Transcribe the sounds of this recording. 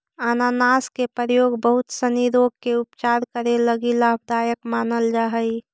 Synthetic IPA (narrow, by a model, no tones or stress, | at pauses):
aːnaːnaːskepɾəɾəjoːɡbəɦʊt̪səniɾoːɡkeʊpt͡ʃaːɾkəɾeləɡilaːbʱd̪aːjəkmaːnəld͡ʒaːɦəi